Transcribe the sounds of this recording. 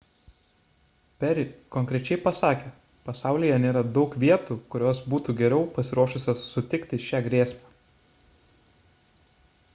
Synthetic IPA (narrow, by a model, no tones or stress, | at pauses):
pʲɛɾʲɪkɔŋʲkɾʲɛt͡ʃʲɛɪpɐsɑːkʲe | pɐsɑˑʊlʲijɛnʲeːɾɐd̪ɒʊkʋʲiɛt̪uːkʊɾʲoːsbuːt̪uːɡʲɛɾʲɛʊpɐsʲɪɾuɔʃʊsʲosʊt̪ʲɪkt̪ʲɪʃʲæːɡɾʲeːsʲmʲæː